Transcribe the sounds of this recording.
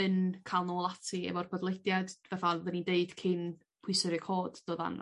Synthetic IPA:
ɨnkʰaːlˠnoːlˠatʰiɛ̰vɔrpʰɔdlˠejdjad̥vaθaðənideɨd̥kʰɪn | pʰʊɨsɨɾɨkʰoːd̥d̥oːða̰n

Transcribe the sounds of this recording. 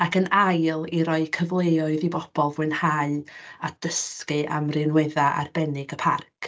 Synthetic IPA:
akʰənajlˠiɾɔɨkʰəvlˠeːɔɨðibɔb̥ɔlˠvwɨnhaɨad̥əskɨʔa̰mrɪnwɛðaʔa̰rbɛnɪɡəpʰa̰rkʰ

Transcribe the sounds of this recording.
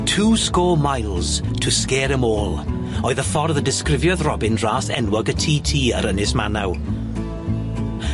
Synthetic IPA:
tʰuːskɔːmajlˠz̥tʰəskɛːɾəmoːlˠ | ɔɨðəfɔrðədɪskrɪvjɔðrɔbɪnraːsɛ̰nwɔɡətʰiːtʰiːə̰ɾənɪsmanaw

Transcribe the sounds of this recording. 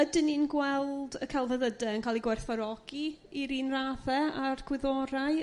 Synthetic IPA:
ədɪninɡwɛlˠdəkʰalˠvəðədɛənkʰaːlˠiɡwɛrθɔɾɔɡ̥i | iɾiːnraːðɛarɡʰwɪðɔɾaɨ

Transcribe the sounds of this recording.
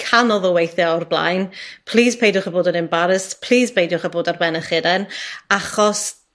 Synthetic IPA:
kʰanɔðɔwejθjɛɔrblˠa̰jnpʰl̥ˠiːspʰejdjʊχəboːdənɪmbaɾəspʰl̥ˠiːspʰejdʊχəboːdarbɛnəχɪdɛnaχɔs

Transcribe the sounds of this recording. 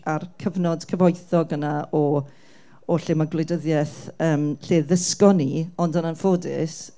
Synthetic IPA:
arkʰəvnɔd̥kʰəvɔjθɔɡənaɔ | ɔɬɪmaɡlɪjdəðjɛθəːmɬeːðəskɔniɔndənanfoːdɪ̰s

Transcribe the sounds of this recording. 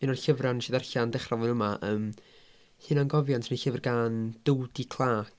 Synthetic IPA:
minɔnɬəvranʃiðarɬandɛχravɨnəmaʔəːm | hɨːnanɡɔvjɔntʰniɬəvərɡaːnd̥uwdikʰlˠaːk

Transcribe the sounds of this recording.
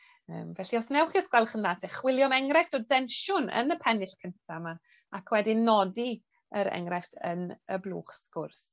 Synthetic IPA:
əːmvɛɬiɔsnɛwχiəskwɛlˠχənðatʰɛχwɪlˠjɔmɛŋɾɛfdodɛnʃʊnə̰nəpʰɛnɪɬkʰəntʰama | akʰwɛdinɔdi | əɾɛ̰ŋɾɛftʰənəblˠṵːχskʊrs

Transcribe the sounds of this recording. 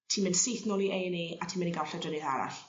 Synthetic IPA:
tʰiːmɪnsijθnɔːlˠiʔejneːatʰiːmɪniɡawɬɛdrənɪðaɾa̰ɬ

